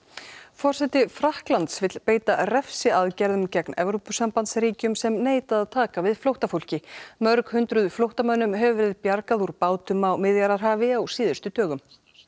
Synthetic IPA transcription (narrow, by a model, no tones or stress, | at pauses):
fɔr̥sɛt̪ɪfɾahklant̪svɪt̪l̥peːjt̪arɛfsɪaðcɛɾðʏmcɛknɛvɾowpʏsampant̪sɾiːcʏmsɛmneːjt̪aaðt̪ʰaːkavɪðflowht̪afolcɪmœɾkhʏnt̪ɾʏðʏflowht̪amœnʏmɦɛvʏvɛːɾɪðpjaɾkaðuɾpaːwt̪ʏmawmɪðjaɾaɾ̥ɦaːvɪawsiːðʏ̥st̪ʏt̪œːɣʏm